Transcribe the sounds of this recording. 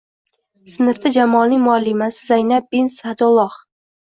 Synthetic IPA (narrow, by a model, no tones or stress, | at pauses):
sɪnɪɾd̪ad͡ʒamɒlˠnɪŋʲmʊalːɪmasɪzajnab̚ːinsad̪olˠːɒχ